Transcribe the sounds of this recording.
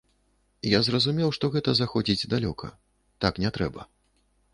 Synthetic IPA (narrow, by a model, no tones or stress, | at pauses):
jazrɐzumʲɛwʂt̪ɔɣɛt̪ɐzaxɔd͡zʲid͡zʲd̪alʲɔkʰɐ̰ | t̪aknʲɛt̪ɾɛbɐ̰